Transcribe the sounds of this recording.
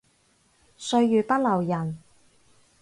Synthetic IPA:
sɵ˧ɥjyː˨pɐ˥t̚lɐ˨˩wjɐ˨˩n

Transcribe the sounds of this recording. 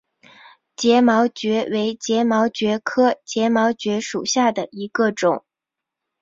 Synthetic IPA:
t͡ɕjɛ˧˥mɑ˧˥ʊt͡ɕɥɛ˧˥we˧˥ɪt͡ɕjɛ˧˥mɑ˧˥ʊt͡ɕɥɛ˧˥kʰɤ˥t͡ɕjɛ˧˥mɑ˧˥ʊt͡ɕɥɛ˧˥ʂṵ˨˩ɕja˥˩d̪ə˩i˧˥ɡə˧ʈ͡ʂʊ̰˨˩˦ŋ

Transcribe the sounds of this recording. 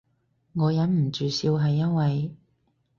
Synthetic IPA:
ŋɔː˨˧jɐ˨˥nm̩˨˩t͡ʃyː˨siː˧wɦɐ˨jːɐ˥n̚wɐ˨j

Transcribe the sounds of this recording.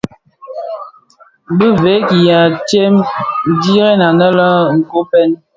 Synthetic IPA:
bə˦ve˨˦ki˨ja˨tje˦m˦di˦ɣɛ˦na˨nə˦lə˦ŋ̩˨ko˨˦pɛ˦n

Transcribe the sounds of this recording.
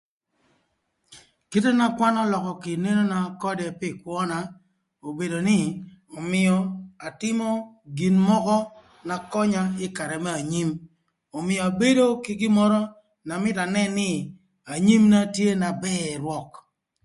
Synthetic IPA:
ke˦te˦na˦kwa˦nɔ˦lɔ˨kɔ˨kɪ˨ne˦no˦na˦kɔ˦dɛ˨pɪ˦˨kwʷɔ˦na˨ | o˨be˨do˨nɪ˦o˨mɪ˨ɔ˨a˨tɪ˦mɔ˦ | ɡi˨nmɔ˦kɔ˦ | na˨kɔ˦ɲa˦ɪ˦ka˨ɾɛ˨mɛ˦a˨ɲi˦m | o˨mɪ˨ɔ˨a˨be˦do˦kɪ˦ɡɪ˦mɔ˦ɾɔ˦ | na˨mɪ˦ta˨nɛ˦nɪ˦ | a˨ɲi˦mna˦tje˦na˨bɛ˦˨ɾwɔ˦k

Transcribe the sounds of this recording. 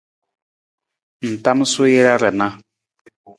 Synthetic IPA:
n̩˨ta˦m˦su˦jɛ˦la˦ɾɛ˨na˦

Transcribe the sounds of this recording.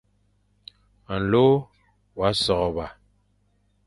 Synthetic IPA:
a˨n˨lo˦ | wa˨˦sɔ˨ɣɔ˨ba˨

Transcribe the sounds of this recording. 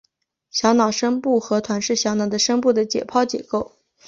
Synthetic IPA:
ɕjɑ˧˥ʊnɑ˨˩ʊʂə˥ŋpu˥˩xɤ˧˥t̪ʰwa˧˥nʂɻ̩˥˩ɕjɑ˧˥ʊnɑ˨˩ʊd̪ə˦ʂə˥ŋpu˥˩d̪ə˩t͡ɕjɛ̰˨˩pʰɑ˥˧ʊt͡ɕjɛ̰˨˩ko˥˩ʊ

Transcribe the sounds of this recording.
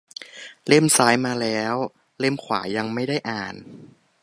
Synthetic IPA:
le˥˩msaː˦˥jmaː˧lɛː˦˥w | le˥˩˨mkʰwaː˩˦ja˧ŋma˥˩jda˥˩jʔaː˨˩n

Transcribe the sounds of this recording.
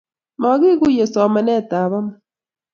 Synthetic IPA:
ma˨˦ɣi˦ɣu˦je˨sɔ˨ma˨nɛ˦˨ta˨βa˦ma

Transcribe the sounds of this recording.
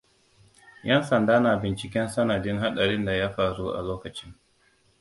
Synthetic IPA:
jɛ˦nsɐ˨ndaː˦na˨bɪ˨nt͡ʃɪ˨kʲɛ˦nsɐ˦nɐ˨dɪ˦ŋɦa˦ɗa˨ɽɪ˦nda˨ja˦ɸaː˨ɾu˦ʔa̰˨loː˦kɐ˨t͡ʃɪ˦ŋ

